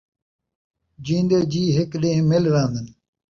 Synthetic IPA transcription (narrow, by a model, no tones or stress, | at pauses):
d͡ʑĩːnd̪eːd͡ʑiːɦɪkɗẽːɦmɪlɾãːnd̪ən